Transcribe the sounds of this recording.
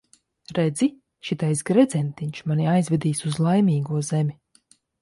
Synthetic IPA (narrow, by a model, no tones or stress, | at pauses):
ɾɛd̪zi | ʃit̪ajsɡɾɛd̪zʲɛnt̪iɲt͡ʃmanʲiajzvʲɛd̪iːsuzlˠajmʲiːɡuɔzɛmʲi